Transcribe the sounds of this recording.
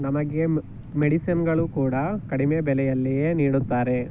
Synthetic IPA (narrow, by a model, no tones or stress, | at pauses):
nɐmɐɡe | meɽisɐnɡɐɭukuːɽɐkɐɽimebɛlɛjɐlːijeniːɽut̪ːaːɾe̞